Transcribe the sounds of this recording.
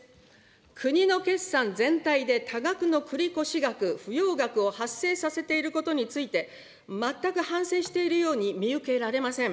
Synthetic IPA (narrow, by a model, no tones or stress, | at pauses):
kʰɯ̟ɲ̟ino̞ke̞sːãnd͡zẽ̞nt̪aid̪e̞t̪ʰaɡakɯ̟no̞kʰɯ̟ɾʲiko̞ɕiɡakɯ̟ɸɯ̟jo̞ːɡakɯ̟o̞hasːe̞ːsase̞t̪e̞iɾɯ̟ko̞t̪o̞ɲ̟it͡sɨit̪e̞ | mat̪ːakɯ̟hãɰ̃se̞ːɕi̥t̪e̞iɾɯ̟jo̞ːɲ̟imʲiɯ̟ke̞ɾaɾe̞masẽ̞ŋ